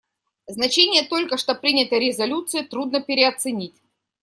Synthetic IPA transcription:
znɐt͡ɕenʲɪjət̪o̞lʲkəʂt̪opɾʲinʲɪt̪əɾʲɪzɐlʲut̪sɨjət̪ɾud̪nəpʲɪɾʲɪɐt̪sɨnʲitʲ

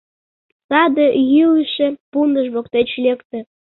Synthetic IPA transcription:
sɑd̪ejyləʃepund̪əʒβokt̪et͡ɕlʲekt̪ĕ

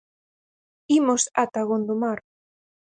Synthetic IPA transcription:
imosat̪aɣond̪omaɾ

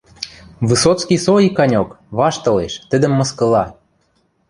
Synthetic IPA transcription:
βɨsot̪t͡skisoikɑnʲok | βɑʃt̪ɤ̆leʃt̪ə̆d̪ə̆mːɤ̆skɤ̆lɑ

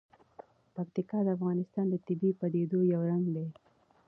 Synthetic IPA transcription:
pakt̪ɪkɑd̪əafɣɑnɪst̪ɑnd̪ət̪ɪbipad̪ed̪ojawɾaŋɡd̪e

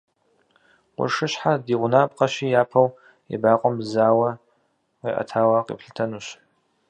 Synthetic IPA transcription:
qʷʊ̰ʂɨɕħadiːʁʷʊnaːpʼqʼɐɕiːjaːpʰɐw | ɛ̰baːqʷʼɔmzaːwɐ | qiːʔɐ̰tʰaːwɐqḭːpɬɨ̥tʰɐnuːɕ

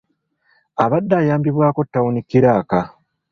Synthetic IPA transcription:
aβadːaːjaːmbiβwaːko̞tːawunikːiɾaːka

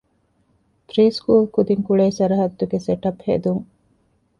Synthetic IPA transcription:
pɾiːskuːlkud̪iŋkuɭeːsɐɾɐɦɐd̪ːuɡeseʈɐphḛd̪uŋ

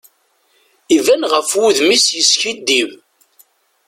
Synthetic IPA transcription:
ivænʁəfwuðmisjəsçid̪ːiv

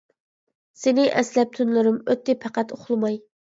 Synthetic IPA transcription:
senɪʔɛslɛp̚t̪ʰynlɪɾɪmøt̪ːɪpʰæqæt̪oχlˠmɑj

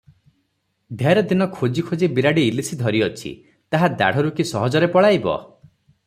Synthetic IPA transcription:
d̪ʱaɾɔd̪inɔkʰod͡ʒikʰod͡ʒibiɾaɽiilisid̪ʱɔɾiɔt͡ʃʰḭ | t̪aɦad̪a̰ɽ̤ɔɾukisɔɦɔd͡ʒɔɾepɔɭajbɔ̰

